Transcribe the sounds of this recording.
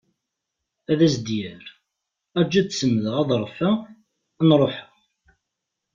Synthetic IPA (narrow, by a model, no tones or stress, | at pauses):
æðæsd̪jæɾ | æd͡ʒːæsəmːðəʁæðˤɾˤfæ | nɾˤoħa